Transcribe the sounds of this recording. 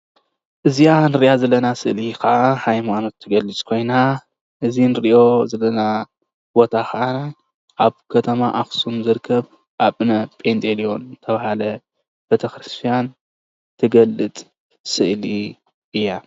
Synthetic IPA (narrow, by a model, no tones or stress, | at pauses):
ʔɨzijanɨɾiʔjazɐlːɐnasɨʔlikɐʔahajmano̞t̪ʰːɨɡɐlːɨt͡sʼkʰo̞jna | ʔɨzinɨɾʔo̞zɐlɐna | bo̞t̪ʰakʰɐʔa | ʔaβkʰɐt̪ʰɐmaʔaxsumzɨɾkʰːɐβ | ʔaβɨnɐpʼend̪ʼelio̞nzɨt̪ʰɐβahalɐ | b̥et̪ʰɐxɾɨst̪ʰijan | t̪ʰɨɡɐlːɨt͡sʼ | sɨʔli | ʔɨjːa